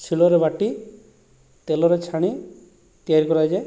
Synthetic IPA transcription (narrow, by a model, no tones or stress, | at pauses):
t͡ʃʰiɭɔɾebaʈi | t̪elɔɾet͡ʃʰaɽ̃i | t̪ijaɾikɔɾajd͡ʒe